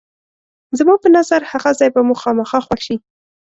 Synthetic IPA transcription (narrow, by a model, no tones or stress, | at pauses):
zəmɑpənazaɾhaɣazɑjbamʊxɑməxɑxwaxʃi